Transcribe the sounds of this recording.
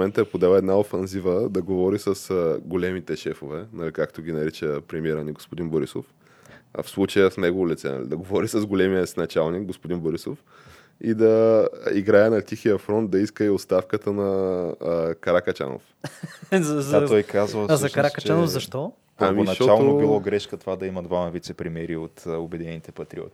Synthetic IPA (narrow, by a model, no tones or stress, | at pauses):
omɛnt̪əɛpod̪ɛlɛd̪naofɛnzivəd̪ɐɡovɔɾisəsɡolɛmit̪ɛʃɛfovɛnɐlikakt̪oɡʲinɐɾit͡ʃəpɾɛmiɛɾəniɡospʊd̪inboɾiso̰f | fslˠut͡ʃəjəfnɛɡovolʲit̪sɛ̰nɐ̰lḭd̪ɐɡovɔɾisəzɡolɛmiəsnɐt͡ʃalˠnik̚ɡospʊd̪inboɾiso̰f | id̪ɐiɡɾaənɐt̪ʲixiəfɾɔnt̪̚d̪ɐiskəiot̪st̪afkət̪ənɐ | kɐɾakɐt͡ʃa̰no̰f | zat̪ɔjkazvɐzɐkɐɾakɐt͡ʃt͡ʃanofzɐʃt̪ɔ | amionɐʃɔt͡ʃalˠnobilˠɔɡɾɛʃkət̪ovad̪ɐimɐd̪vamɐvit̪sɛpɾimɛɾiot̪obɛd̪inɛnit̪ɛpɐt̪ɾiɔ̰t̪ʲi̥